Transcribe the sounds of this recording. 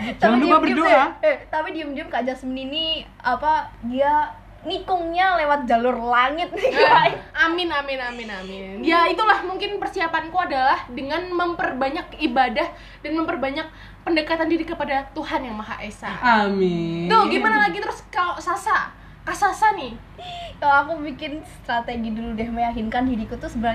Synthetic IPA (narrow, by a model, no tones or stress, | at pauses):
t̪amdoabərdoat̪apidiamdiəmkad͡ʒasəmənini | apadia | ŋikʊŋɲalewat̪̚d͡ʒalʊrlaŋɪt̪̚niaamɪnamɪnamɪnamɪnjait̪ulahmuŋkɪnpərsiapankuadalahdəŋanməmpərbaɲakibadah | danməmpərbaɲak̚ | pəndəkat̪andiɾikəpadat̪uhanjaŋmaɦa̰ʔesa̰amɪt̪ʊhɡimanalaɡit̪əɾʊskaloʔsasa | kasasanɪ | kaloakubikɪnst̪ɾat̪eɡiduludɛhməjakɪnkanhidikut̪usəbəɾa